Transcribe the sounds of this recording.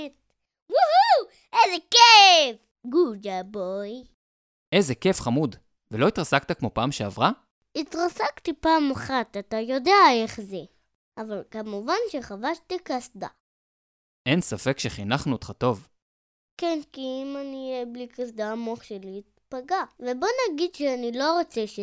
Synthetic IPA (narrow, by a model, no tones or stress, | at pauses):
t | wuhu | ejzekef | ɡud͡ʒaboj | ʔezekefχamud | veloit̪ʁasak̚t̪akmo̞paːmʃeavʁa | it̪ʁasakt̪ipaːmaχat̪at̪ajo̞deaeχze | ʔavalkamuvanʃeχavaʃt̪ikasda̰ | ʔensafekʃeχinaχnuot̪χato̞v | kenkiimanijeblikas̬d̪aːmoχʃeliːt̪̚paɡavebo̞naɡid̪ʃeanilo̞ʁot͡seʃe